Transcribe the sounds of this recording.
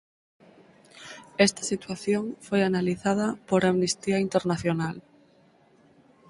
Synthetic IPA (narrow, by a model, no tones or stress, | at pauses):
est̪ḁsit̪waθjoŋfojanaliθað̞apoɾamnist̪iaint̪eɾnaθjonal